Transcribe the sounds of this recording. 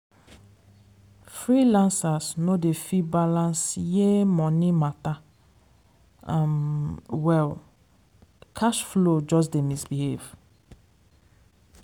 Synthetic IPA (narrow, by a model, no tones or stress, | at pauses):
fɹilãnsasnodefibalãnsjemɔ̃nimata | amwɛl | kʰaʃflod͡ʒɔs̬demisbihev